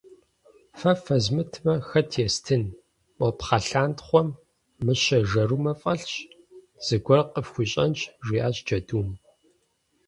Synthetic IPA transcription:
fɐfɐzmɨtʰmɐxɐtʰjɛstʰɨn | ʔʷɔpχɐɬaːntχʷɔmː | ɨɕɐʒɐrumɐfʼɐɬɕ | z̥ɨɡʷɔrqʼəfxʷʊɕʼɐnt͡ʃʰʼʒʷiːaːɕd͡ʒɐduːm

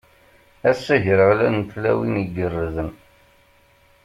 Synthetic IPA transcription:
æsːæʝəɾəʁlænt̪læwiniɡərːəðən

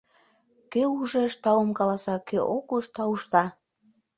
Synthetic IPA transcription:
keuʒĕʃt̪ɑomkɑlɑsɑkøʔokuʃt̪ɑuʃt̪ɑ

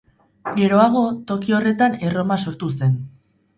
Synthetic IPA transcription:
ɡe̞ɾo̞aɣ̞o̞t̪o̞kio̞re̞t̪ane̞ro̞maso̞ɾt̪use̞n

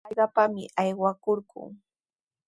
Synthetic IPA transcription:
ɢɑpamɪʔajwakoɾɢʊ̰ŋ

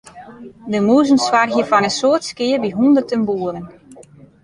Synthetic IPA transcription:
dəmuːzənswarɦjəfɔnənsoətskɪərbiɦundərtənbuələn

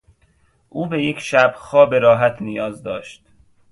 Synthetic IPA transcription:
ʔuːbe̞je̞cʰʃæbxɒːbeɾɒːɦæt̪ʰnijɒːzd̪ɒːʃt̪̚

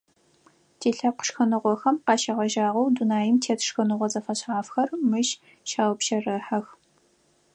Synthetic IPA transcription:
tʰeːɬɐqʷʊ̥ʂxɐnɨʁʷɔxɐmqɑːʃɐʁɐʒaːʁɐwdunaːjɪmtʰeːtʰʂxɐnɨʁʷɔzɐfɐɕʕaːfxɐrmɨʃ | ʃaːwpʃɐrɨħɐx

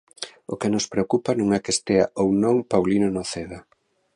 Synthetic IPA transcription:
okenospɾeokupanũŋɛkest̪eaownõŋpawlinonoθeða

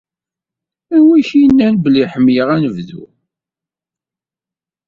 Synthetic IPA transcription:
ænwiçinːænbliħəmːjəʁænəvðṵ

